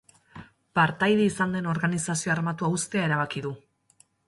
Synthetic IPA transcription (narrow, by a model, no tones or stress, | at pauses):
paɾt̪ajðeisand̪e̞no̞ɾɣanisasio̞aɾmat̪uaust̪e̞ae̞ɾaβ̞akiðu